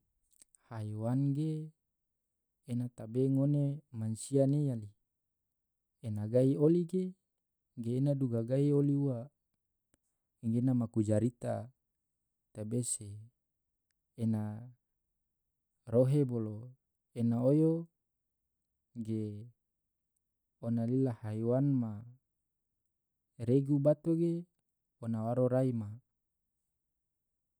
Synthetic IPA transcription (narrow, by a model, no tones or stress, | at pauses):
hajwanɡe | nat̪abeŋonemansianejali | enaɡaioliɡe | ɡeːnaduɡaɡaioliuwa | ɡenamakud͡ʒaɾit̪a̰ | t̪abese | na | ɾoɦebolo | enaojo | ɡe | onalilahaiwanma | ɾeɡubat̪oɡe | onawaɾoɾaima